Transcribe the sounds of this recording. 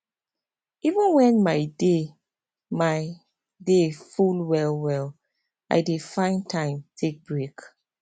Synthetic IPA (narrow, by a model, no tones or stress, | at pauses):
ivə̃nwɛ̃nmaɪde | maɪ | defulwɛlwɛl | ʔa̰ɪdefãɪ̃ntʰãɪ̃mtʰek̚b̥ɹek